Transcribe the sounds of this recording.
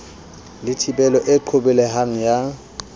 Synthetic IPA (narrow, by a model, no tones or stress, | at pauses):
lɪtʰipʼɛlɔʔɪǃʰobɛlɛɦaŋ̩ja